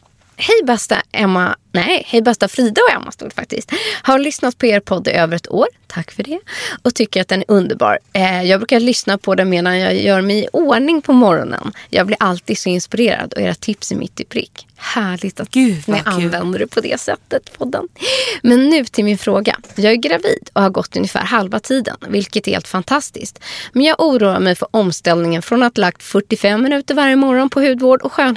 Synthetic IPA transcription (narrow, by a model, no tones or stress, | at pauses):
hɛjbɛst̪a̰ʔɛmːanɛhɛjbɛst̪afɾiːd̪aɔɛ̰mːa̰st̪ṵːd̪fak̚t̪ɪ̰st̪haɾlʏsnat̪̚pʰɔeːɾpʰɔd̪ːɪ̰ʔøːvəɾɛt̪ʰoːɾt̪ʰakːfœɖɛɔt̪ʰʏkːəɾat̪̚d̪ɛnæɾʔɵnd̪əɾbɑ̰ːɾjɑːɡbɾʉkalʏsnapʰɔd̪ɛmeːd̪anjɑːjœːɾmɛjɪʔoːɳɪŋpʰɔmɔɾɔ̰nə̰njɑ̰ːɡblɪɾʔalt̪iːd̪sɔɪnspɪɾeːɾa̰d̪ɔ̰ḛːɾat̪ʰɪpsæmʔɪ̰t̪ːɪpʰɾɪ̰kːhæːɭɪɡt̪at̪ɛʔavɛnd̪əɖɵpʰɔd̪ɛ̰sɛt̪ːət̪pʰɔd̪ːə̰nmɛnːʉ̟ːt̪ʰɪlmɪnfɾoːɡa̰jɑːɡæɾɡɾavḭːd̪̥ɔhaɾɡɔt̪ːɵnjəfæ̰ːɾɦalvat̪ʰiːd̪ə̰nvɪlkət̪ɛɾhḛːlt̪fant̪ʰast̪ɪsk̚t̪mɛnjɑːɡʔuːɾuːa̰ɾmɛjfœɾʔɔmst̪ɛlnɪŋənfɾɔnat̪lak̚t̪fœʈːɪfɛmːɪnʉ̟ːt̪əɾvaɾjəmɔɾɔnpʰɔhʉ̟ːd̪voːɖɔɧøːn